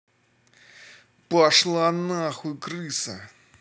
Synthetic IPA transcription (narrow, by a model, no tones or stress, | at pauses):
paʂlˠanaxuikɾɨsɐ̰